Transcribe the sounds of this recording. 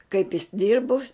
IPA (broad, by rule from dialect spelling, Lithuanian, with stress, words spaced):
kɐɪp jɪs ˈdʲɪrbʊ